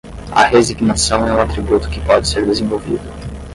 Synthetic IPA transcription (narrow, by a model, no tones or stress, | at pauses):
ɐ̰ɦeziɡnasɐ̃w̃ɛuat̪ɾibut̪ʊ̥kɪpɔd͡ʒɪseɾd̪ezẽvowvḭd̪ʊ